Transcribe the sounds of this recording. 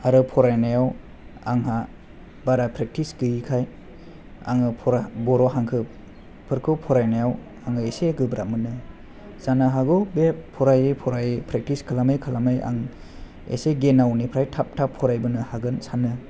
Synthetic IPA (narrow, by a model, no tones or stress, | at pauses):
aɾɯpʰɔɾajnajaw | aŋɦa | baɾapʰɾek̚tisɡɯjikʰaj | a̰ŋɯpʰɔɾabɔɾɔɦaŋkʰɯp̚ | pʰɯɾkʰɯwpʰɔɾajnajaw | aŋɯeseɡɯbɾamɯnɯ | z̥anaɦaɡɯbeppʰːɔɾajɯpʰɔɾajpʰɾek̚tiskʰɯlamajkʰalamaja̰ŋ | ḛseɡenawnipʰɾajtʰap̚tʰapʰːɔɾajbɯnɯhaɡɯnsanɯ